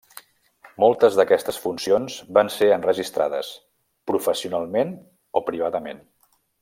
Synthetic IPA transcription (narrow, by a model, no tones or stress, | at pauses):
molˠt̪əzðəkɛst̪əsfunsionzbanseənrəʒist̪ɾa̰ðə̰s | pɾufəsiunalˠmen | opɾiβ̞aðəmḛn